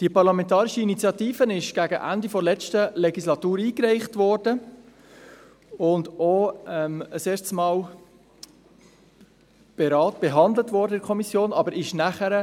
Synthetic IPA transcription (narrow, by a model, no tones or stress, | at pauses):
d̥iəpɑɾlɑmɛntɑːɾiʃəinit͡sjɑtiːfənɪʃɡ̥æɡəʔæ̰ndifɔlɛt͡stəlɛɡislɑtuːɾiːkɾɛɪχtʋɔːɾd̥ə | ʊndoɛməseːɾtsmɑːl | b̥ɛɾɑːt̚b̥eɦɑndlətvɔɾdəɛɾkʰɔmisjoːnɑbəɾɪʃnæχəɾə